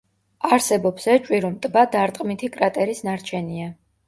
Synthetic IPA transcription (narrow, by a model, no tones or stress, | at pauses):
aɾsɛbɔpsɛt͡ʃʼwiɾɔmt̪ʼbad̪aɾt̪ʼqʼmit̪ʰikʼɾat̪ʼɛɾisnaɾt͡ʃʰɛnia